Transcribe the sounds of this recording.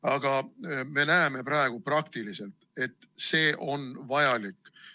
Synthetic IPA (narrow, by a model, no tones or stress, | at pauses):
ɑɡ̥ɑme̞næeme̞pɾɑeɡ̥uprɑkt̪ilise̞lt̪ˑe̞t̪ːˑ | se̞ːʔo̞nvɑjɑlikːˑ